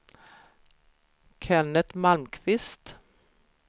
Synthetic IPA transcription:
kʰɛnət̪malmkʰvɪst̪

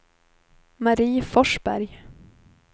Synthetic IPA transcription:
maɾiːfɔʂbæ̰ɾj

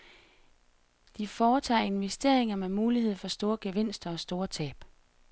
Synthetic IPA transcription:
d̥ifɒːt͡sʰɑ̰̈ːe̝nʋesd̥e̝ɐ̰e̝ŋɐmemuːliɦe̝ð̞̰ˠfɒ̽sd̥o̝ːɐɡ̥eʋen̰sd̥ɐɒ̽sd̥o̝ːɐt͡sʰɛ̰ːb̥

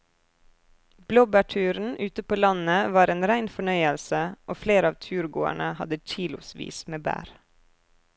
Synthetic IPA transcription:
b̥loːbæʈʰʉːɾn̩ʔʉːt̪əpoːlɑnəʋɑːɾeːnɾæɪnfɔɳœʏəlsəʔoːfleːɾəɑːʋt̪ʰʉːɾɡo̰ːæ̰ɳəhɑd̪əc͡çiːlʊ̰sʋḭːsmeːbæ̰ːɾ

